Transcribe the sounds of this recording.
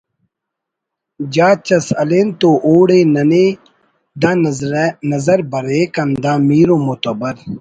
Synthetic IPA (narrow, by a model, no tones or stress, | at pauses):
d͡ʑaːt͡ɕɐsɐleːnt̪oʔoːɽeːnɐne | d̪ɐ | nɐzɐɾbɐɾeːkɐnd̪aːmiːɾomot̪ɐbɐɾ